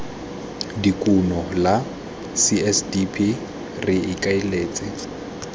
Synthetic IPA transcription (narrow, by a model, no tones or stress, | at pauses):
dikʼunɔla | siɛsdipʰi | rɪɪkʼaɪleːt͡sʼɪ